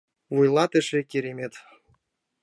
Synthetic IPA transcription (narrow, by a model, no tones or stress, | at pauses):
vujlˠɑt̪ə̆ʃĕkʲeɾemʲet̪